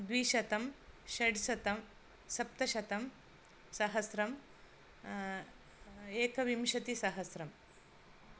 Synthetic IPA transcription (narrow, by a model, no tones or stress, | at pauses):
d̪ʋiʃɐt̪ɐmʃɐɽsɐt̪ɐm | sɐp̚t̪ɐʃɐt̪ɐm | sɐɦɐsɾɐm | eːkɐʋimʃɐt̪isɐɦɐsɾɐm